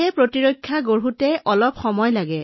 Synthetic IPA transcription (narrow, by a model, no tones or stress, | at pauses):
ɛpɹotiɹokʰːjaɡoɹɦutɛʔɔlɔpxɔmɔjlaɡɛ